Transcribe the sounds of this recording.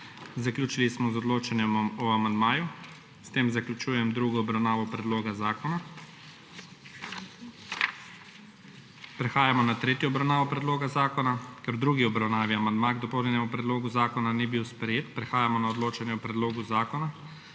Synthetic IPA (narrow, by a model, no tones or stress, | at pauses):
zaklʲuːt͡ʃilismɔzɔd̪loːt͡ʃanjɛmɔamand̪maːju | st̪eːmzaklut͡ʃuːjɛmd̪ɾuɡɔːbɾawnaːʋɔpɾɛd̪loːɡazaːkɔna | pɾɛxaːjamɔnat̪ɾeːt̪jɔɔbɾawnaːʋɔpɾɛd̪loːɡazaːkɔnakɛɾwd̪ɾuːɡiɔbɾawnaːʋiamand̪maɡd̪ɔpɔwnʲɛnɛmupɾɛd̪loːɡuzaːkɔnanibiwspɾɛjeːt̪pɾɛxaːjamɔnaɔd̪loːt͡ʃanjɛɔpɾɛd̪loːɡuzaːkɔna